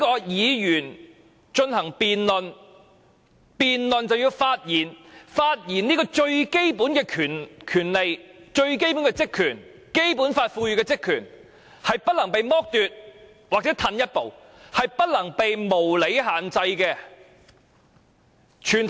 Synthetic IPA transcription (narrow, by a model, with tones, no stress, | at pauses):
i˥kɔː˧jiː˨˧jyː˨˩n | t͡ʃɵ˧nhɐ˨˩ŋpiː˨nlɵ˨n | piː˨nlɵ˨nt͡sɐ˨wji˧wfaː˧t̚jiː˨˩nfaː˧t̚jiː˨˩nniː˥kɔː˧t͡ʃɵ˧ɥke˥jpuː˨˥nkɛː˧kʰyː˨˩nkʰyː˨˩nle˨jt͡ʃɵ˧ɥk̬e˥jpu˨˥nkɛ˧t͡sɪ˥kʰːyː˨˩n | ke˥jpuː˨˥nfaː˧t̚fuː˧jyː˨kɛː˧t͡sɪ˥kʰːyː˨˩n | hɐ˨jpɐ˥t̚lɐ˨˩ŋpe˨jmɔː˥k̚t̪yː˨t̚ | waː˨k̚t͡sɛ˨˥t̪ʰɐ˧njɐ˥t̚po˨w | hɐ˨jpɐ˥t̚lɐ˨˩ŋpe˨jmo˨˩wle˨˥jɦaː˨˩nt͡sɐ˧jkɛː˧ | t͡ʃʰyː˨˩nt̪ʰ